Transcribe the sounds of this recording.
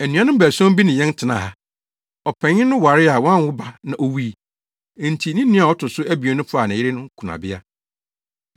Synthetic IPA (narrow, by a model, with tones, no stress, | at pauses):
æ˨nũ˦ã˦nʊ̃˦m˦bæ˨sɔ̃˦m˦bi˦nɪ̃˨jɛ̃˦n˦tʰɪ˨nã̰˨ha˨ | ɔ˨pʰɛ̃˨ɲɪ̃˦nʊ̃˦wa˨ɾɪ˦a˨wɔ̃˦n˨wʊ˦ba˨nã˨ʔo˦wĩ˦˨ | n̩˨tʰi˨nĩ˦nːĩ˦a˨ɔ˦tʰʊ˨sʊ˦ʔæ˦bi˨o˦nʊ̃˦fʊ˦a˨nã˨jɪ˦ɾɪ˦nʊ̃˦ŋ˦kʰu˨nã̰˨bɪ˦a˦